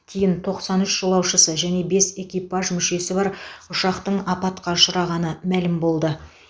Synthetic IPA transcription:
t̪ʲʰijɪnt̪ʰo̞qsɑnʏʃʒəlˠɑwʃəsəʒæne̞be̞se̞kʲijpɑʒmʏʃe̞sɪbɑɾʊʃɑqt̪əɴɑpɑt̪qɑʃəɾɑʁɑnəmælɪmbo̞lˠd̪ə

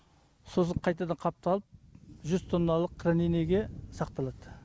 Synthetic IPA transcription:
so̞s̬əɴqʰɑjt̪ɑd̪ɑɴqʰɑp̚t̪ɑlˠəp̚ʒʏzt̪ʰo̞nːɑlˠəqʰːɾanineɡʲe̞sɑq̚t̪ɑlˠɑd̪̥ə

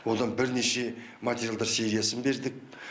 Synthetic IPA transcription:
wo̞d̪ɑnbɪɾne̞ʃe̞mat̪ʰʲeɾʲjalˠd̪ɑɾse̞ɾijasənbe̞ɾd̪ɪk̚

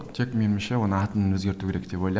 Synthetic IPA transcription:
t̪ʰekʲmenɪmʃewo̞nəɑt̪ənənwɵzɡʲe̞ɾt̪ukʰʲeɾek̚d̪̥e̞po̞jlˠɑ

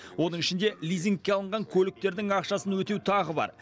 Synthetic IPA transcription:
wo̞nəɴɪʃɪnd̪e̞lʲijziŋk̚ʲːe̞ɑlˠəɴʁɑŋkʲʰɵlɪk̚t̪e̞ɾd̪ɪŋɑqʃɑsənwɵt̪e̞wt̪ʰɑʁəbɑ̰ɾ

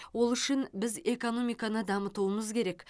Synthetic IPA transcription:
wo̞lˠʏʃɪnbɪze̞ko̞no̞mʲijkɑnəd̪ɑmət̪uəməzkʲʰe̞ɾe̞k

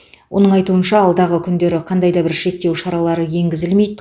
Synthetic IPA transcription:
wʔo̞̰nəɴɑjt̪uənʃɑːlˠd̪ɑʁəkʲʰʏnd̪e̞ɾɪqʰɑnd̪ɑjd̪ɑbɪɾʃe̞k̚t̪e̞wʃɑɾɑlˠɑɾəje̞ŋɡʲɪzɪlme̞jd̪ɪ

